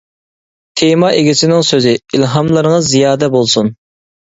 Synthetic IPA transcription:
t̪ʰemɑʔeɡʲisɪnɪŋsøzɪilɦɑmlˠɨɾŋɑzijɑːd̪ɛbolˠsun

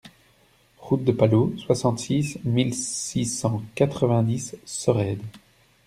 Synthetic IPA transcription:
ʁut̪̚d̪əpaloswasɑ̃t̪sismilsisɑ̃kat̪χəvɛ̃d̪isːəʁɛd̪

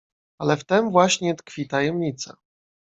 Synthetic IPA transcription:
alɛft̪ɛmvwaɕɲɛt̪kfʲit̪ajɛmɲit̪sa̰

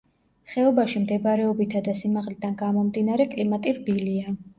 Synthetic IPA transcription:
χɛɔbaʃimd̪ɛbaɾɛɔbit̪ʰad̪asimaʁlid̪̥anɡamɔmd̪inaɾɛkʼlimat̪ʼiɾbilia

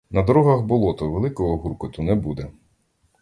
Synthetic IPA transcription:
nɐd̪ɔɾɔɦɐxbɔlˠɔt̪ʊʋelˠɪkɔɦɔɦuɾkʊt̪ʊnɛbud̪ɛ

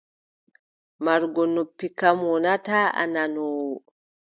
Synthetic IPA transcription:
maɾɡɔnopːikamwɔnataːa̰nanɔːwɔ

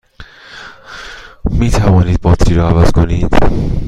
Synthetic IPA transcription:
miːt̪ʰævɒːniːd̪̥̚bɒːt̪ʰɾiːɾɒːævæz̥kʰoniːd̪̥

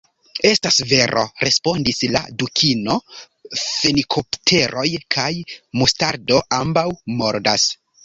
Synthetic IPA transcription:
e̞stasve̞ɾʔo̰ɾe̞spo̞ndisla̰dukʰino̞ | fe̞likʰo̞ptʰe̞ɾʔo̞jkʰajmustaɾdo̞ʔambawmo̞ɾdas

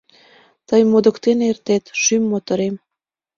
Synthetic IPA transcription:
t̪əjmod̪ə̆kt̪enert̪et̪ʃymːot̪əɾem

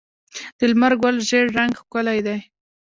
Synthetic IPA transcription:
d̪̥əlmaɾɡwalʒeɽːaŋɡxkʊlajd̪aj

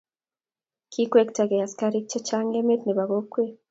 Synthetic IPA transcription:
kʰikweki̥taɡejaskaɾikt͡ʃot͡ʃaːŋɡemetniβaɣokwe

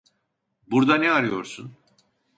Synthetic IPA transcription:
buɾd̪anɛaɾɯjo̞̰ɾsun

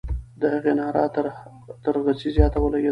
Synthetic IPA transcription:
d̪əhaɣenɑːɾɑ̰ | t̪əɾɣasizjɑt̪awəlaɡʲe

